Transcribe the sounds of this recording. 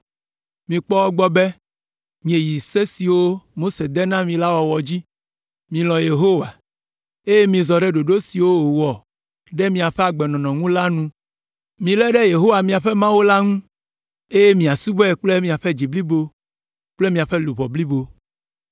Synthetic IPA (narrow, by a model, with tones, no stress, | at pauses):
mĩ˨k͡pɔ˦wɔ˦ɡ͡bɔ˦bɛ˦ | mĩ˨e˨ji˨se˦si˨wo˦mo˦se˨d̪ɛ˦nã˦mĩ˨la˦wɔ˨wɔ˨d͡ʑi˦ | mĩ˨lɔ̃˨je˨ɦo˦wa˨ | e˦je˦mĩ˨zɔ˨ɖɛ˦ɖo˨ɖo˦si˨wo˦o˨wɔ˨ | ɖɛ˦mĩ˨a˨ɸɛ˦a˨ɡ͡bɛ˨nɔ̃˨nɔ̃˨ŋũ˦la˦nũ˦ | mĩ˨lɛ˦ɖɛ˦je˨ɦo˦wa˨mĩ˨a˨ɸɛ˦mã˦wo˦la˦ŋũ˦ | e˦je˦mĩ˨a˨su˦bɛ˦˨k͡ple˦mĩ˨a˨ɸɛ˦d͡ʑi˨bli˦bo˦ | k͡ple˦mĩ˨a˨ɸɛ˦lu˨βɔ˨bli˦bo˦